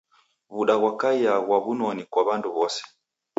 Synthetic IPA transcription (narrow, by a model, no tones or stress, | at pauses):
βuɗaɣwakaiaɣwaβunɔnikwaβanduβɔsɛ̥